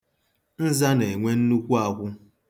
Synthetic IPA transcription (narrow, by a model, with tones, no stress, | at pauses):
n̩˦za˦ne˨ŋʷe˦n̩˦nu˦kʷu˦a˨kʷʊ˦